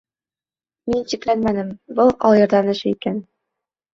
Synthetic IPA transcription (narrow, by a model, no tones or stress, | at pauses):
minɕiklænmænɘmbɤlˠɒlˠjɤ̆ɾd̪ɑnɘ̆ʃikæn